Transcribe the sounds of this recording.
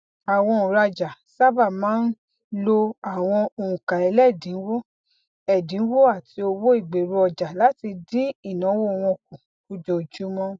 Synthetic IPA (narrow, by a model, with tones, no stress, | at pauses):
a˨w̃ɔ̃˧o˨ɾa˧d͡ʒa˨ | sa˦ba˦˨mãː˨˦n̩˦ | lo˧a˨w̃ɔ̃˧o˨ũ˨kã˨ɛ˨˧˦lɛ˦˨dĩ˨˦wo˦ | ɛ˨dĩ˨˦wo˦a˦˨ti˧o˧wo˦i˦˨ɡ͡be˨ɾu˧ɔ˨d͡ʒa˨la˨˦ti˧dĩ˦i˦˨nã˨˦wo˦˨˧w̃ɔ̃˧kũ˨ | u˧d͡ʒo˧˨d͡ʒu˦mɔ̃˦